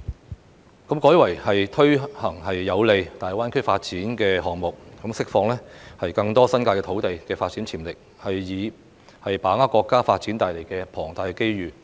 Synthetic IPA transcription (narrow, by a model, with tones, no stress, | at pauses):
kɐ˨˥mkɔː˨˥jwɐ˨˩jhɐ˨jt̪ʰɵ˥ɥhɐ˨˩ŋɦɐ˨jːɐ˨˧wle˨˧jt̪aː˨jwaː˥nkʰɵ˥ɥfaː˧t̚t͡siː˨˥nkɛː˧ɦɔː˨ŋmʊ˨k̚kɐ˨˥msɪ˥k̚fɔː˧ŋlɛː˥hɐ˨jkɐ˧ŋt̪ɔː˥sɐ˥nkaː˧jkɛ˧t̪ʰo˨˥wt̪e˨jkɛː˧faː˧t̚t͡siː˨˥nt͡sʰiː˨˩mlɪ˨k̚ | hɐ˨jjiː˨˧ | hɐ˨jpaː˨˥ŋaː˥kɔː˧kːaː˥faː˧t̚t͡siː˨˥nt̪aː˨jle˨˩jkɛː˧pʰɔː˨˩ŋt̪aː˧jke˥jɥyː˨˩